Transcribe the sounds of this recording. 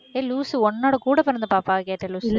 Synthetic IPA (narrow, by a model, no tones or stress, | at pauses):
eːluːsɔnːoːɽɐkuːɽɐpɐɾɐnd̪ɐpaːpaːkeːʈːɐluːs